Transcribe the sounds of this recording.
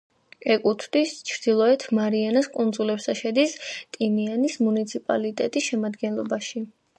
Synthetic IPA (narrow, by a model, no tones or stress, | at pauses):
ɛkʼut̪ʰd̪ist͡ʃʰɾd̪̥ilˠɔɛt̪ʰmaɾianaskʼund̪zulɛpsaʃɛd̪ist̪ʼinianismunit̪sʰipʼa̰lit̪ʼɛt̪ʼisʃɛmad̪ɡɛnlˠɔbaʃi